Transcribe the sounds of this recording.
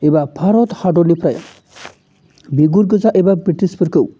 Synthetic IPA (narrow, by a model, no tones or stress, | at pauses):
ebabʰʱaɾɔt̪haɖɔlipɾaj̰ | biɡuɾɡɯzaʔebabɾiʈisbəɾkɯw